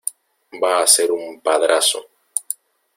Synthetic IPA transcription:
baːseɾumpaðɾaso̰

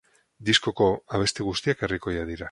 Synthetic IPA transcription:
d̪isko̞ko̞aβ̞e̞st̪eɣ̞ust̪iake̞riko̞jaðiɾa

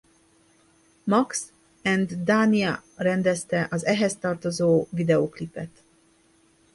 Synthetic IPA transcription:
mɒks | ɛnd̪d̪aːniɛrɛnd̪ɛst̪ɛʔɒzɛɦɛst̪ɒrt̪o̞zoːvid̪ɛoklipːɛt̪

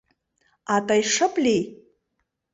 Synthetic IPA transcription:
atʼajʂɨpʼli

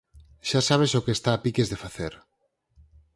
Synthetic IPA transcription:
ʃasaβ̞esokeːst̪aːpikezðefaθeɾ

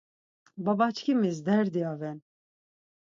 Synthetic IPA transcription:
bɑbɑt͡ʃkʲimizd̪ɛɾd̪ijɑvɛn

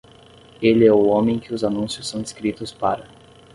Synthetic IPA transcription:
elɪɛʊõmẽj̃kɪʊzanũsjʊsːɐ̃w̪̃ɪskɾit̪ʊspaɾɐ

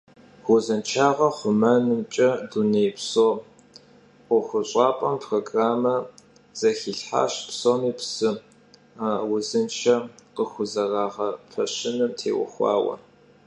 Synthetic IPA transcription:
ʁʷʊzɨnt͡ʃʰaːʁɐχʷʊmɐnɨmt͡ʃʼɐdunejpsoː | qəxʷʊɕʼɑːpʼɐmpʰroːɡraːmɐ | z̥ɐxiːɬħa̰ːɕpsoːmiːpsɨ | wʊzɨnt͡ʃʰɐqəxʷʊzɐraːʁɐpʰɐɕɪnɨmtʰḛːwʊ̰xʷɑ̰ːwɐ̰

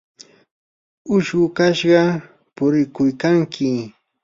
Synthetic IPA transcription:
ʊʃɢʊkaʃɢɑ | pʊɾɪkʊjkaŋkʰɪ

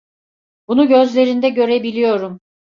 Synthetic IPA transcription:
bunuɟø̞zlʲe̞ɾind̪ɛɟø̞ɾebilʲijo̞ɾum

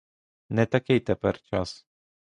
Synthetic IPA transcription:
nɛt̪ɐkʲejt̪ɛpɛɾt͡ʃas

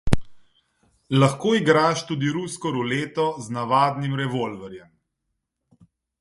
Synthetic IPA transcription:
laxkoːiɡɾaːʃt̪uːd̪iɾuskɔɾuleːt̪ɔznaʋaːd̪nimɾɛʋolvɛɾjɛm

